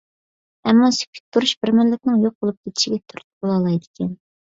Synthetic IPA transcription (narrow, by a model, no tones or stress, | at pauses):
ɛmːɑsy̥kʲʰy̥t̪̚ʲt̪ʰːuɾuʃbɪɾmɪnlɪkʲnɪŋjoq̚bolˠup̚d̪ɪt̪ɪ̥ʃɪɡʲɛt̪ʰyɾt̪bolˠɑlˠɑjd̪ɪ̥kʲʰɛn